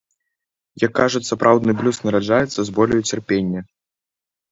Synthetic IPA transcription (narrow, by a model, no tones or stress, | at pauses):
jɐkːaʐut͡sʲsɐpɾʔawd̪nɨblʲusnɐɾad͡ʐajɛt̪sːɐzbɔlʲɐjut͡sʲɛrpʲenʲːɐ